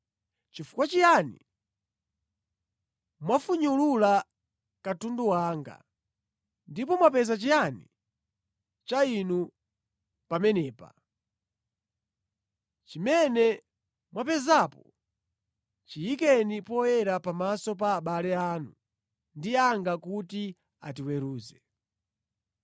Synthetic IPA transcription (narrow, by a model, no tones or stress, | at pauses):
t͡ʃifu̥kwat͡ʃijanḭ | mwafuɲulula | katunduwaːŋɡa̰ | ndipɔmwapɛzat͡ʃijanḭ | t͡ʃainu | pamɛnɛːpa̰ | t͡ʃimɛnɛ | mwapɛzapɔ | t͡ʃiikɛnipɔjɛɾapamasɔpaːɓalɛaːnu | ndiaŋɡakuti | a̰t̬iwɛɾuːzɛ